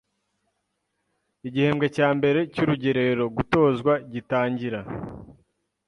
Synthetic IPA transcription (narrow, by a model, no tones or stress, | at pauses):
iɟihe̞ːmɡecaːmbe̞ɾe̞cuɾuɟe̞ɾe̞ɾo̞ɡuto̞ːzɡwaɟitaːɲɟiɾa